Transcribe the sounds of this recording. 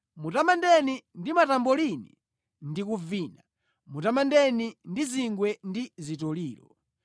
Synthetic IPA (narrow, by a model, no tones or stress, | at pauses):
mutamandɛnindimatambɔlini | ndikuviːna | mutamandɛnindiziŋɡwɛndizitɔliːlɔ̰